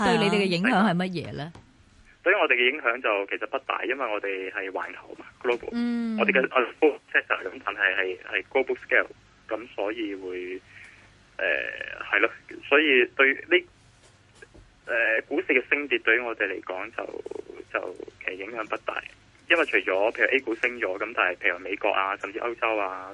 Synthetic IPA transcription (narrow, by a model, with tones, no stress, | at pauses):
ɵjjle˨˧j̪e˨jkɛ˧jɪ˨˥ŋ˨hœː˨˥ŋhɐ˨jmɐ˥t̚jɛ̰ː˨˧lɛː˥ | t̪ɵ˧ɥŋɔː˨˧t̪e˨jkɛ˧jɪ˨˥ŋɦœː˨˥ŋt͡sɐ˨wkʰe˨˩sɐ˨t̚pɐ˥t̚t̪a̰ː˨jːɐ˥nwɐ˨jŋɔː˨˧t̪e˨jhɐ˨jwa̰ː˨˩nkʰɐ˨˩wmaː˧ɡloː˥bo̰˨˩wŋɔː˨˧d̪e˨jɡɛʔɔː˨˧d̪fo˥sʰɛː˥k̚t̪ʰɐː˨˩kɐ˨˦mt̪a̰ː˨˩nɦɐ˨jhɐ˨jhɐ˨jkloː˥wbʊ˥k̚skɛː˥˩w | kɐ˨˥msɔː˨˥jiː˧wuː˨˧j | ʔɛ̰ː˨hɐ˨jlaː˧˥sɔː˨˥jiː˨˧t̪ɵ˧ɥli˥ | ʔɛː˨kuː˨˥siː˨˧kɛː˧sɪ˥ŋt̪i˧t̚t̪ɵ˧ɥŋɔː˨˧t̪e˨jle˨˩jkɔː˨˥ŋt͡sɐ̰˨wt͡sɐ̰˨wkʰe˨˩˨jɪ˨˥ŋhœː˨˥ŋpɐ˥t̚t̪a̰ː˨˩j | jɐ˥nwɐ˨˩jt͡ʃʰɵ˨˩jt͡sɔː˨˥pʰe˨jʔe˥jku˨˥sɪ˥ŋt͡sɔː˨˥kɐ˨˦mt̪aː˨˩nhɐ˨˩jpʰe˨˩jme˨˧kɔ̰ː˧k̚aː˧sɐ˨mt͡siː˧ʔɐ˥wt͡sɐ˥waː˧